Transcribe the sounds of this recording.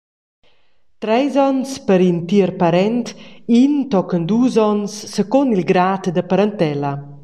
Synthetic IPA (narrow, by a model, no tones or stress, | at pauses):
t̪ɾɛjzɔnspəɾint̪iəɾpaɾɛnt̪int̪ɔkənd̪uːzɔnsːəkonilɡɾaːt̪d̪əpaɾant̪ɛla